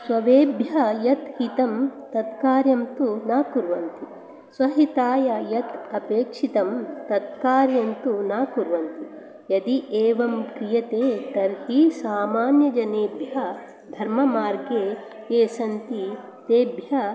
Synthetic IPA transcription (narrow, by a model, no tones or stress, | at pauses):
sʋɐʋeːbʱjɐjɐt̪hit̪ɐmt̪ɐt̪kaːɾjɐmt̪unaːkuɾʋɐnt̪i | sʋɐɦit̪aːjɐjɐt̪ɐpeːkʂit̪ɐmt̪ːɐt̪kaːɾjɐmt̪unaːkuɾʋɐnt̪i | jɐd̪iʔeːʋɐmkɾijɐt̪eːt̪ɐɾhisaːmaːnjɐd͡ʒɐneːbjɐ | d̪ʱɐɾmɐmaːɾɡeː | keːsɐnt̪i | t̪eːbjɐ